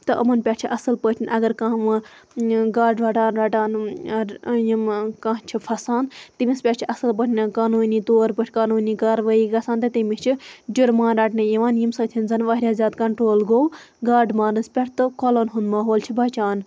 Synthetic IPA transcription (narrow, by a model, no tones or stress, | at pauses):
t̪ɨʔɐ̰mɐnpʲɐɾt͡ʃʰiʔɐsɨlpəːʈʲʰinʲʔɐɡɐɾkãɦʋɨ | ɡaːɖɾaːʈaːnɾɐʈaːn | jimkaɦt͡ʃʰipʰɐsaːnt̪imʲispʲɐʈt͡ʃʰiʔɐsɨlbəʈʲʰnɨkaːnuːnit̪oːɾpəʈʰʲkaːnuːnikaːɾʋaːiɡɐsãːnt̪ɨt̪imit͡ʃʰid͡ʒuɾmaːnɾɐʈnɨjiʋaːnjimsɐːt̪ʰinzɐnʋaːɾʲjaːzʲaːt̪kɐɳʈɾoːlɡoːw | ɡaːɖmaːnɨspʲɐʈt̪ɨkolonɦund̪mɐɦoːlt͡ʃʰibɐt͡ʃaːn